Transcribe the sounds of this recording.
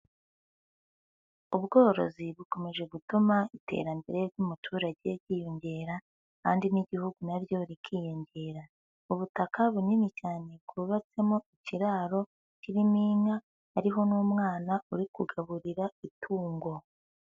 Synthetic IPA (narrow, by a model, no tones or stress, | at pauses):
uβɡo̞ːɾo̞̰ziβuko̞me̞ʒe̞ɡutumaite̞̰ɾambeɾe̞ɾɟumutʰuːɾaɟe̞ɾɟiːjoɲɟe̞ːɾa | kaːndiniɟihuɡunaɾjo̞ɾikʰiːjoɲɟe̞ːɾa | uβutakaβuninicaːne̞kɡuβat͡se̞moiciɾaːɾo̞ | ciɾimiːŋa | hːɾiɦo̞nuːmŋaːnauɾikuɡaβuɾiɾaitʰuːŋɡo̞